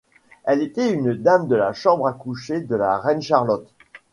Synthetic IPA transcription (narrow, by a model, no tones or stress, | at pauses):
ɛlet̪ɛynd̪amd̪əlaʃɑ̃bʁakuʃed̪əla̰ʁɛnʃaʁlɔt̪